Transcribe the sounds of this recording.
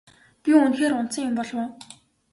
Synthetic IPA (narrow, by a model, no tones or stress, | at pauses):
pʲiʊnxeːɾʊn̥sə̆ŋjʊmpɔɮwʊː